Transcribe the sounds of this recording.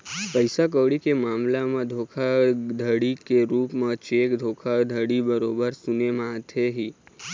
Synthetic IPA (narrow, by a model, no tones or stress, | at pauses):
pəjsak̬əʋɽikemaːmlamãd̪ʱokʰad̪ʱəɽikeɾupmãt͡ʃekd̪ʱoːkʰad̪ʱəɽibəɾobəɾsunemãt̪ʰeɦi